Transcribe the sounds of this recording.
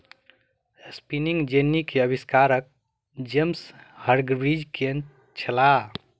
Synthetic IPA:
spiniŋɡd͡ʒenːikeəbiskaɾək̚ | d͡ʒemshəɾɡbɾid͡ʒkʰen | t͡ʃʰəla

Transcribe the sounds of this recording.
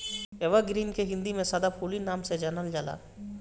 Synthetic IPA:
eʋəɡɾiːnkeɦɪ̃nd̪imẽsaːd̪apʰuːlinaːmsed͡ʒanəld͡ʒaːla̰ː

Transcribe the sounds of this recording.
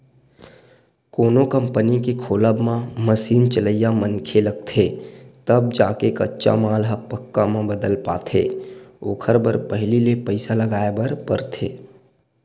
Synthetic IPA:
koːnokə̃mpənikekʰoːləbmãməsiːnt͡ʃələjamənkʰeləɡ̚t̪ʰet̪əb̚d͡ʒaːkekətːʃa̰maːlɦapəkːamãbəd̪əlpa̰ːt̪ʰeoːkʰəɾbəɾpəɦɪlilepəɪsaləɡaːebəɾpəɾt̪ʰeː

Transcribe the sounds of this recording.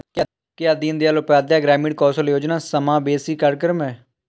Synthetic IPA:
kɪaːd̪iːnd̪eaːlopaːd̪jaːɡɾɛːmiːɖ̚kɔːsəljoːd͡ʒnãːsəmãːbeːsiːkəɾkəɾəmɛː

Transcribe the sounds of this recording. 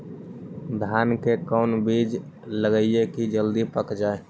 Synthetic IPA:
d̪ʱaːnkekɔːnbiːd͡ʒ | ləɡəijekid͡ʒəld̪ipəkd͡ʒaːe

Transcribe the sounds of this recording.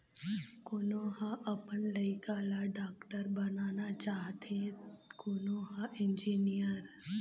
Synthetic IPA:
kʊnoːɦaʔɐpənləikaːlaɖaːkʈəɾbɐnaːnat͡ʃaːɦt̪ẽkʊnoːɦaʔɪ̃nd͡ʒiːnijəɾ

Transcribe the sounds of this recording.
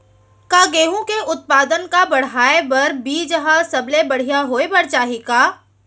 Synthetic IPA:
kaːɡeːɦũkeʔʊt̪̚paːd̪ənkabɐɽ̤ɦaːebɐɾbiːd͡ʒəɦasɐblebɐɽ̤ijaɦoːebɐɽt͡ʃaːɦikaː

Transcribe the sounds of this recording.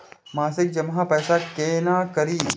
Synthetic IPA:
mãːsɪk̚d͡ʒɐmɦãpɛːsakeːnaːkəɾiː

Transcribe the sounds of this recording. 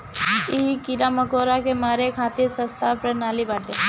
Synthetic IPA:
iɦikiɾaməkoːɾakemaːɾekʰaːt̪iɾsə̃st̪ʰapɾənaːlibaːʈe

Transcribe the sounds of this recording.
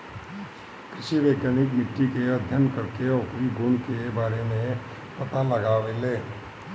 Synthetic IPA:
kɾɪʃiʋeːkənɪk̬mɪʈːikeɐd̪ʱjənkəɾkeɔːkɾiɡʊɳkebaːɾemẽ | pɐt̪aləɡaːʋeleː

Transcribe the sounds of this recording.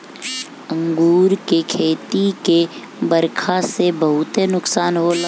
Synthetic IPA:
ə̃ŋɡuːɾkekʰeːt̪ike | bəɾkʰasebəɦʊt̪enʊksaːnɦol

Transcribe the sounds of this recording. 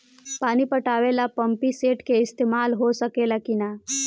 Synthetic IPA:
paːnipəʈaːʋelapə̃mpiseːʈkeɪst̪eːmaːlɦosəkelakina

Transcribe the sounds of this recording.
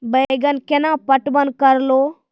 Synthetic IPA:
bɐjɡɐnkenaːpɐʈbɐnkɐɾloː

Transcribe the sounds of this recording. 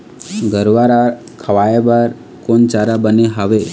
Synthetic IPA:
ɡʱəɾʋaɾa | kʰəʋajebaɾ | kont͡ʃaɾabəneɦaʋe

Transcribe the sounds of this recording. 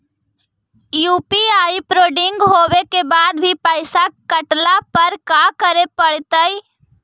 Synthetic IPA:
juːpiaːipɾoːɖɪŋɡɦoːwekebaːd̪bʱipəɪsakəʈlapəɾkakəɾepəɽ̤t̪əj

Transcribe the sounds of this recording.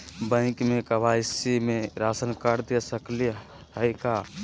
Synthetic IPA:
bə̃ɪ̃kmekəbajsimẽɾasənkaɾd̪esəkli | ɦəjka

